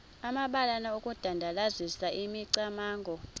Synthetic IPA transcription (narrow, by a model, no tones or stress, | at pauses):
amaɓalanaukʼud̥ʱandʱalazisaʔimiǀamaːŋɡʱɔ